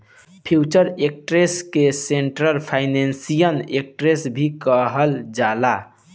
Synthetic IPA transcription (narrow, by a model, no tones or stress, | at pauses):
pʰit͡ʃəɾek̚ʈɾeskeseɳʈɾəɾpʰaɪnensijənek̚ʈɾesbʱikəɦəld͡ʒala